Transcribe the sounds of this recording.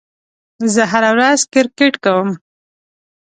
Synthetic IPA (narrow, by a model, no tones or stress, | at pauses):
zəɦaɾawɾazkɪɾkeʈkawəm